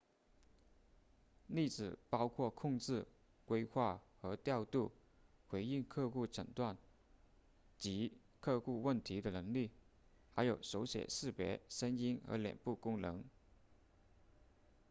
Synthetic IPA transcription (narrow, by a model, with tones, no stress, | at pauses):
li˥˩t͡sɹ̩˨˩pɑ˥ʊkʰwɔ˥˧kʰʊ˥˧ŋʈ͡ʂɻ̩˥˩ | kwe˥ɪxwa˥˩xɤ˧˥t̪jɑ˥˧ʊt̪u˥˩ | xwe˧˥ɪi˥˧ŋkʰɤ˥˧xu˥˩ʈ͡ʂʰə̰˨˩ŋt̪wa˥˩n | t͡ɕi˧˥ | kʰɤ˥˧xu˥˧wə˥˩nt̪ʰi˧˥d̪ə˧nɤ˧˥ŋli˥˩ | xa˧˥ɪjo˨˩ʊʂo˧˥ʊɕjɛ̰˨˩ʂɻ̩˥˩pjɛ̰˧˥ʂə˥ni˥nɤ̰˧˥ljɛ̰˨˩npu˥˩kʊ˥ŋnɤ˧˥ŋ